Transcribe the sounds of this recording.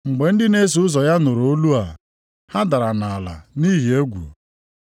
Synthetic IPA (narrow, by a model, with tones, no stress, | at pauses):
ŋ͡m̩˨ɡ͡be˨n̩˦dɪ˦ne˦s̬u˨˦ʊ˦zɔ˨ja˦nʊ˨ɾo˦lu˦a˨ | ha˦da˨ɾa˨na˨a˨la̰˨ni˦ɦi˨e˦ɡʷṵ˨